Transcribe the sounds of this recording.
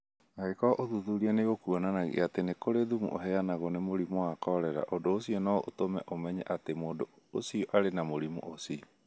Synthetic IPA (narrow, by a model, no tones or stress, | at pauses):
aɣekɔʔoðuðuɾianeɣokuɔnanaɣḛatenekoɾeðumṵʔo̰ɦɛanaɣonemoɾimoakɔɾɛɾa̰ʔodoosiɔnɔotomɛ̰ʔomɛɲɛ̰ʔatemoːdo | osiɔʔaɾenamoɾimṵʔosi